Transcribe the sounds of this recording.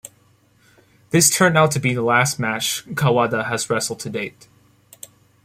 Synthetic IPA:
ðɪstʰɜ̃˞ndaʊtʰɨbiðəlæst̚mæt͡ʃkʰawɑdəɨzɹɛsl̩ˠd̚tʰɨdeɪt̚

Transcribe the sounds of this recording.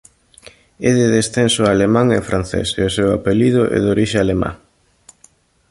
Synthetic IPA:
ɛðɪðesθensʊalemãŋḛfɾan̟θḛseosewa̰peliðʊʔɛ̰ðoɾiʃealema̰

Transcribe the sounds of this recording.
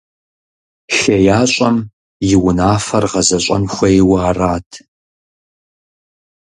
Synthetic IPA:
ɬɐjaːɕʼɐm | jɪwʊnaːfɐrʁɐzɐɕʼɐ̰nxʷɐjɪwaːraːtʰ

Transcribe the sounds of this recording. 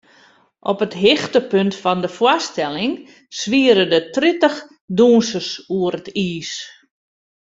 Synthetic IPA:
ʔɔpətɦɪxtəpøntfɔndəfwastɛlɪŋ | sʋiəɾədətritəx | duːnsəsuəɾətiːs

